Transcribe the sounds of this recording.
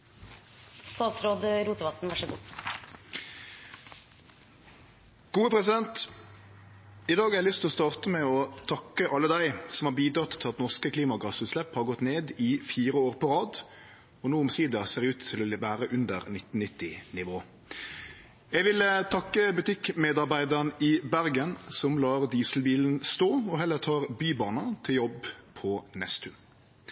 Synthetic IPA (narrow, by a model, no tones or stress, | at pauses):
st̪ɑːt̪sɾoːd̪əɾuːt̪əʋɑt̪n̩ʋɑʂɔɡuː | ɡ̥uːəpʰʁɛsɪd̪ɛnt̪ | ɪd̪ɑːɡɛɛlʏst̪lɔst̪ɑːʁt̪əmɛɔt̪ʰɑkːəʔɑlːəd̪æɪsɔm̩hɑʁbiːd̪ɾɑt̪ʰːɪlɑt̪nɔʁskəkʰliːmɑɡɑsʉːt̪slɛphɑʁɡɔt̪neːd̪ɪfiːʁəoːʁpʰɔʁɑːd̪ | ɔnuːʊmsiːd̪ɑseːʁʉːt̪ʰːɪlɔʋæːɾəʔʉnd̪əɾnɪt̪n̩nɪt̪ːɪnɪʋoː | jɛɡʋɪlt̪ʰɑkːəbʉt̪ɪkmeːd̪ɑʁbæɪd̪əʁnɪbæɾɡənsɔmlɑːʁd̪iːslbiːln̩st̪oːɔɦɛlːəɾt̪ʰɑːʁbyːbɑːnɑt̪ʰɪljɔbpʰɔnɛst̪ʰʉ